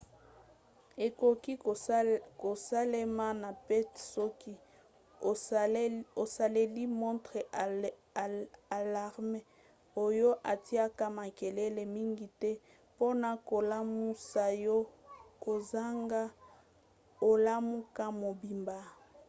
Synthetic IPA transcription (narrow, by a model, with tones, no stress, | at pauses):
e˨ko˨ki˦ | ko˨sa˦le˦ma˦na˨pɛ˦tsɔ˦ki˦ | o˨sa˨le˦li˦mɔ˦ntʁe˨ | a˨la˨ʁme˦ | o˨jo˦ʔa˨ti˦a˦ka˦ma˨ke˨le˦le˨mi˦ŋɡi˨tɛ˦ | po˦na˨ko˨la˦mu˦sa˦jo˦ko˨za˦ŋɡa˦ | o˨la˦mu˦ka˦mo˨bi˨mba˨